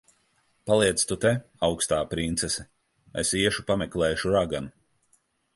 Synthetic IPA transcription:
palˠiɛt̪st̪ut̪ɛ | awkst̪aːpɾint̪sesɛ | ḛsiɛʃupamɛklɛːʃuɾaɡan

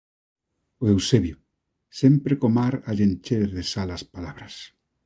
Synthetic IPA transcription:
oewseβjo | sempɾekomaɾaʎent͡ʃeɾðesalaspalaβɾas

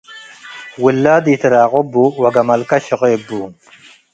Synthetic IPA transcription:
wilːaːd̪iːt̪ʰɨɾaːʁobːuwɐɡɐmɐlkɐɕɪʁeːbːu

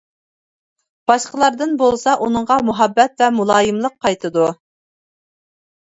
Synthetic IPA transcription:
b̥ɑʃqəlˠɑɾd̪ɨnbolˠsɑʔunɨɴʁɑmuɦɑbːɛt̪̚vɛmulˠɑːjɨmlˠəq̚ʰːɑjt̪ʰɨd̪u

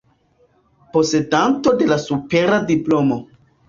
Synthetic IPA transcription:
po̞se̞danto̞de̞lasupe̞ɾadiplo̞mo̞

